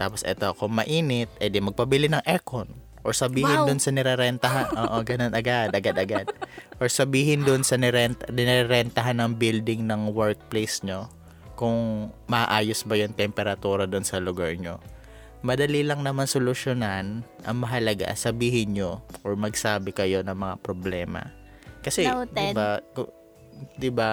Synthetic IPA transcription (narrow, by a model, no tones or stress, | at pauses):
t̪aːposʔɛt̪o̞ɐkʊŋmɐʔiːnɪt̪̚ɛd̪ɪmɐɡ̚pɐbɪlɪnɐŋʔɛkon | ʔoɹsɐbiːɦɪnd̪onsɐnɛɾɛɾɛnt̪ɐɦanʔoːʔoɡɐnonɐɡad̪ɐɡad̪ɐɡad̪̚ʔoɹsɐbiːɦɪnd̪onsɐnɛɾɛnt̪nɪɾɛɾɛnt̪ɐɦanːɐŋbild̪ɪŋnɐŋwɛɹt̪̚plejsɲo | kʊŋmɐʔɐʔaːjosbɐjoŋt̪ɛmpɛɾɐt̪uːɾɐd̪ʊnsɐlʊɡaɹɲo̞̰ | mɐd̪ɐlilɐŋnɐmansolʊʃjonan | ʔɐ̰ŋmɐɦɐlɐɡa̰sɐbiːɦɪnɲo̞ʔoɹmɐɡsaːbɪkɐjo̞nɐŋmɐŋa̰pɾoblɛːmɐ̰ | kɐsɛd̪ɪbak | d̪ɪba